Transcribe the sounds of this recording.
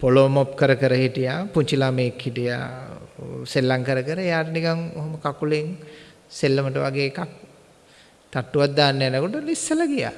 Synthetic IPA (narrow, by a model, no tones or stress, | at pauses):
poloːmop̚kəɾəkəɾəhiʈijaːpuɲt͡ʃilameːkhiʈija̰ː | selːaŋkəɾəkəɾəejaːʈənikaŋoɦoməkakuleŋ | selːəməʈəʋaɡeːkak̚ | t̪aʈːuʋat̪̚d̪aːnːəænəkoʈəlisːələɡija̰